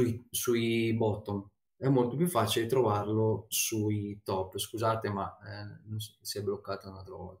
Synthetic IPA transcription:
uisuibɔt̪on | ɛmːolt̪op̬jufːaːt͡ʃilet̪ɾovarlosuit̪ɔpːskuzaːt̪emanonssiɛbːlokːaːt̪aunalt̪ɾavɔ̰lt̪ḁ

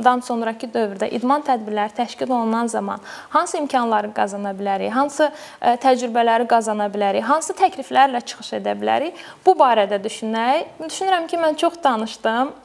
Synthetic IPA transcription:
d̪ɑnso̞nɾɑcʰid̪ø̞vyɾd̪æʔid̪mɑnt̪ʰæd̪biɾlæɾit̪ʰæʃcilo̞lˠunɑnzɑmɑ̰nhɑnsɯimcʰɑnlˠɑɾɯɡɑzɑnɑbilæɾḭjɦɑnsɯ | t̪ʰæd͡ʒɾybælæɾiɡɑzɑnɑbilæɾijɦɑnsɯt̪ʰæcʰliflæɾlæt͡ʃʰɯ̥xɯ̥ʃe̞d̪æ̰bilæ̰ɾijb̥ubɑːɾæd̪æd̪yʃynæjd̪yʃynyɾæmcʰimænt͡ʃʰo̞χd̪ɑnɯʃd̪ɯm

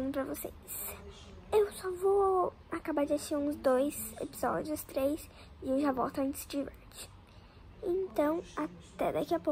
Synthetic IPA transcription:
pɾɐvosḛ | s | ewsɔvo | akabad͡ʒeseɾũzd̪ojsḛpiz̥ɔ̰d͡ʒiʊst̪ɾejs | ɪewʒavo̰wt̪ɐɐ̃nt̪ɪ̥sd͡ʒivɛɾt͡ʃɪ̥ | ẽnt̪ɐ̃w̃at̪ɛd̪akiɐpo

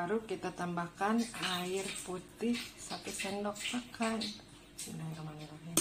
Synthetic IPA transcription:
aɾukit̪at̪ambakanaɪrput̪ɪhsat̪usɛndɔk̚təkan | naɪrmanilaɦ

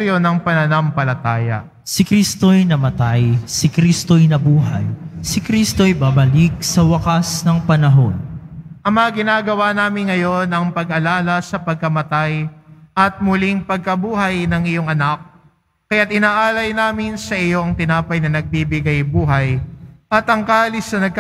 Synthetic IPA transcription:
ɾjo̞nɐŋpɐnɐnɐmpɐlɐt̪aːjɐ̰ | sɪkɾist̪ojnɐmɐt̪ajsɪkɾist̪ojnɐbuːɦɐjsɪkɾist̪oɐjbabɐlik̚sɐwɐkasnɐŋpɐnɐɦo̞nʔɐmɐŋɐɡɪnaːɡɐwanaːmɪnŋɐjo̞nɐŋpɐɡʔɐlaːlɐsɐpɐɡ̚kɐmɐt̪ajʔɐt̪̚mʊliŋpɐɡ̚kɐbuːɦɐjnɐŋʔɪjo̞ŋʔɐnak̚ː | ɐjat̪̚ʔɪnaːʔaːlɐjnaːmɪnsɐʔɪjo̞ʔɐŋt̪ɪnaːpɐjnɐnɐɡ̚bibɪɡajbuːɦɐjʔɐt̪ʔɐŋkaːlɪsnɐnɐɡ̚k

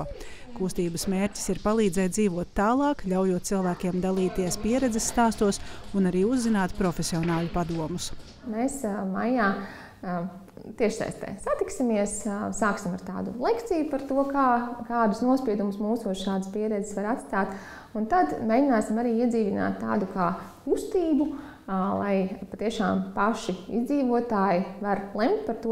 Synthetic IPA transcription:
kust̪iːbɐsmeːɾʲcʲi̥siɾpalˠiːd̪zɛjd̪ziːʋuɔt̪ːaːlˠɑːkʎʲawjuɔt̪̚silˠvæːkʲiɛmd̪alˠiːt̪iɛspiɛɾɛd̪zɛsːt̪aːst̪uɔsunaɾiːuzːinaːt̪pɾɔfʲesiɔnaːlˠupad̪uɔmus | meːsmajjaː | t̪iɛʃsɛ̰jst̪ɛ̰ːsat̪iksʲimiɛssaːksimaɾt̪aːd̪ṵlˠɛkt̪sijupaɾt̪uɔkaːkaːd̪usnuɔspiɛd̪umusmuːsuɔʃaːd̪spiɛɾɛd̪zɪsʋaɾat̪st̪aːt̪ | unt̪ad̪meːjɟʲɪnaːsimaɾiːiɛziːʋina̰ːt̪ːa̰ːd̪ukaːkust̪iːbu | lˠa̰jpat̪iɛʃaːmpaʃiḭzd̪ziːʋuɔt̪aːjiʋaɾlˠɛmt̪̚paɾt̪u

